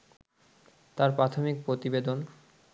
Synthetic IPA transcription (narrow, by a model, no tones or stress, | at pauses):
t̪aɾpɾat̪ʰomik̚pɾot̪ibed̪on